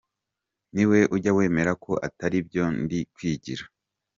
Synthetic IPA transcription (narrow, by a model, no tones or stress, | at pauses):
niwe̞ʔuɟawe̞ːme̞ɾako̞ʔa̰taɾib̚ɟo̞ndikwiːɟiɾa